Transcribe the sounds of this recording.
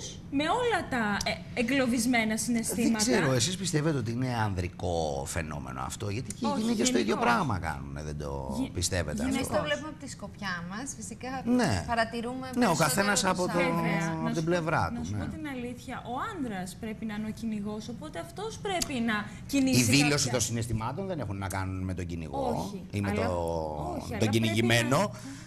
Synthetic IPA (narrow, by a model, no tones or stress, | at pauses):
s | me̞o̞lɐt̪ɐ | eŋɡlo̞vizme̞nɐsine̞st̪ðiemɐseɾoes̬ispist̪evet̪eo̞t̪iine̞ɐnðɾiko̞̰fe̞̰no̞̰me̞̰no̰ɐ̰ft̪oʝɐt̪iceinicesoiðʝo̞pɾɐɣmɐ̰kɐ̰nṵnḛðed̪o̞̰pist̪e̞vetʝeɐifneovlepumeɐpot̪iskopçɐmɐsfisikɐnepɐɾɐt̪iɾumeneo̞kɐθe̞nɐsɐot̪oɐpot̪ible̞vɾɐ̰t̪nɐusuneot̪inɐliθçɐʔo̞ɐnd̪ɾɐspɾe̞pinɐineociniɣo̞so̞po̞t̪eɐft̪o̞spɾepinɐ | ciniiðilo̞sit̪o̞nsinest̪imɐt̪onðe̞nexunːɐkɐnunme̞t̪o̞ɟinḭɣoiimet̪o | t̪oɟiniʝime̞no̞